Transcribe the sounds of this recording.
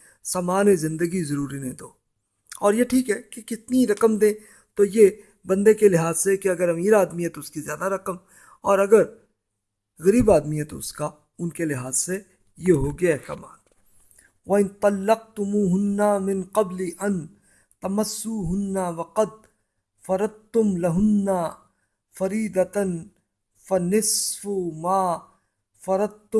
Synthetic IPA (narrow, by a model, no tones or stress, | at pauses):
saːmaːnezɪ̃nd̪əɡizɐɾuːɾinẽd̪oː | ɔːɾjeʈʰiːkɦɛːkekɪt̪niɾɐqəmd̪ẽː | t̪oje | bɐ̃nd̪ekelɪɦaːzsekeɐɡəɾɐmiːɾaːd̪miɦɛt̪oʊskizjaːd̪aɾɐqəm | ɔːɾɐɡəɾ | ɣɐɾiːbaːd̪miɦɛt̪oʊska | ʊnkelɪɦaːzse | jeɦoɡɐaːsɐ̰ːma̰ːn | wɐɪnt̪ˤɑlːɐq̚t̪ʊmuːɦʊnːamɪnqɐbliʔɐn | t̪ɐmɐsːuɦʊnːawɐqɐd̪̚ | fɐɾɐd̪̚t̪ʊmlɐɦʊnːa | fɐɾiːd̪ɐt̪n | fɐnɪsfumaː | fɐɾɐd̪̚t̪ʊ